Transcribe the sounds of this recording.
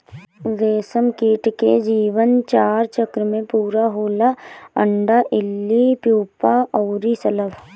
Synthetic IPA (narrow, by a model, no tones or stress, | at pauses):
ɡeːsəmkiːʈkḛd͡ʒiːʋənt͡ʃaːɾt͡ʃəkɾəmẽpuːɾaɦoːlaə̃ɳɖaʔɪlːipjuːpaɔːɾisɐləʋ